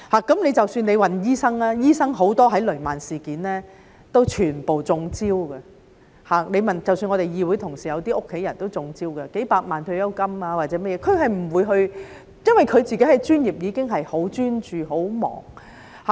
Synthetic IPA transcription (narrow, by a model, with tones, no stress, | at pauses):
haː˨kɐ˨˥mnle˨˧jt͡sɐ˨wsyː˧nle˨˧jwɐ˨njiː˥sɐ˥ŋlɛː˥jiː˥sɐ˥ŋɦo˨˥wt̪ɔː˥ɦɐ˨˥jlɵ˨˩maː˨nsiː˨˩kiː˨˥nlɛː˥ | t̪o˥wt͡ʃʰyː˨˩npo˨wt͡sʊ˧ŋt͡siː˥wɡɐ˧ | haː˨˩ne˨˧jmɐ˨nt͡sɐ˨wsyː˧nŋɔ˨˧t̪e˨jjiː˧wu˨˥jt̪ʰʊ˨˩ŋsiː˨˩jɐ˨˧wt̪iː˥ʊ˥kʰːe˨˥jɐ˨˩nt̪o˥wt͡sʊ˧ŋt͡siː˥wkɐ˧ke˨˥jpaː˧k̚maː˨nt̪ʰɵ˧ɥjɐ˥wkɐ˥maː˧waː˨t̚t͡sɛː˨˥mɐ˥jɛ˨˧kʰɵ˨˧ɥɦɐ˨jm̩˨˩wuː˨˧jɦɵ˧ɥ | jɐ˥nwɐ˨jkʰɵ˨˧ɥt͡siː˨˩ke˨˥jhɐ˨jt͡ʃyː˥njiː˨p̚jiː˨˧kɪ˥ŋɦɐ˨jho˨˥wt͡ʃyː˥nt͡ʃyː˨ɦo˨˥wmɔ̰ː˨˩ŋ | ha˨